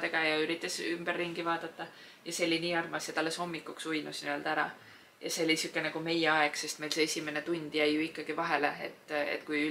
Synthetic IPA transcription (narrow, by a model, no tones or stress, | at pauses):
t̪eɡ̥ɑjɑyɾit̪ːˑɑsymb̥erːiŋɡivɑːd̪̥ɑt̪ːɑ | jɑse̞lːiniːɑrmɑsjet̪ɑlːesho̞mːikːˑuksujnusniø̞ld̪̥æɾɑ̰ | jɑ̰se̞olisukːˑenɛɡ̥ume̞jeɑe̞ɡ̥se̞st̪melse̞esʲime̞net̪unʲd̪̥jæjːuikːˑɑɡ̥ivɑɦe̞le̞ḛt̪ːḛt̪ːkujy